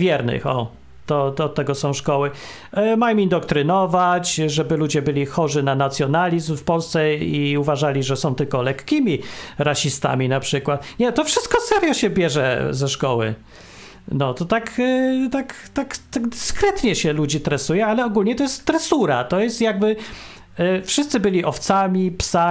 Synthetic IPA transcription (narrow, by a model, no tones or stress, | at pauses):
vʲjɛɾnɘ̰xɔ̰ | t̪ɔt̪ɔt̪ːɛɡɔsɔ̃w̃ʂkɔwɘ | majɔ̃mind̪ɔk̚t̪ɾɘnɔvat͡ɕʐɛbɘlud͡ʑɛbɘlʲixɔʐɘnanat̪sʲjɔnalʲizmfpɔlst̪sɛiuvaʐalʲiʐɛsɔ̃w̃t̪ɘlkɔlɛkkʲːimʲiɾaɕist̪a̰mʲinapʂɘkwat̪ɲɛt̪ɔfʂɘ̥st̪̚kɔsɛɾjɔɕɛbʲjɛʐɛzɛʂkɔwɘ̰ | nɔt̪ɔt̪akt̪ak | t̪akt̪aɡd̪ɘskɾɛt̪ɲɛɕɛlud͡ʑit̪ɾɛsujɛalɛɔɡulɲɛt̪ɔjɛst̪ːɾɛsuɾat̪ɔjɛst̪jaɡ̚bɘ | fʂɨst̪sɘbɘlʲiʔɔft̪samʲipsa